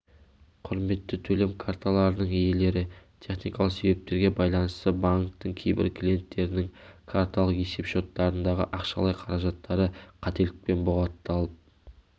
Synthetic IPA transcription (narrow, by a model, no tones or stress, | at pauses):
qʰʊɾme̞t̪ːɪt̪ʰɵle̞mkʰaɾt̪ʰalˠɑɾənəɴijele̞ɾɪt̪ʲʰe̞χnijkɑlˠəqse̞βe̞p̚t̪e̞ɾɡʲe̞bɑjlˠɑnəst̪əbaŋk̚t̪ːəŋkʲʰejbɪ̰ɾkʰlʲije̞nt̪ːe̞ɾɪnɪŋkʰaɾt̪ʰalˠəqe̞se̞pʃo̞t̪ːɑɾənd̪ɑʁə̰ʔɑqʃɑ̰lˠɑjqʰɑɾɑʒɑt̪ːɑɾəqʰɑt̪e̞lɪk̚pe̞nbʊʁɑt̪ːɑlˠəp̚